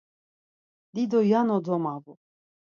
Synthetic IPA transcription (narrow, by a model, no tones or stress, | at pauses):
d̪id̪ɔjanɔd̪ɔmavu